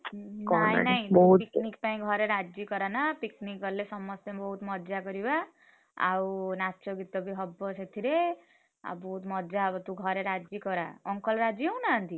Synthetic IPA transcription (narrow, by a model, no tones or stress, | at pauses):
nkaj̰nʌj̃bɔɦupiknik̚paĩɡʱʌɾeɾad͡zikʌɾanʌpiknikʌɾlesʌmːʌst̪ebʌɦut̪mʌd̪d͡zakʌɾiwa | a̰wnat͡ʃoɡit̪ːʌbiɦʌbːʌset̪ʰiɾe | a̰bʌɦut̪mʌdd͡zaʌbʌt̪uɡʱʌɾeɾad͡zikʌɾaʌŋkʌlɾad͡ziʌwnant̪ʰi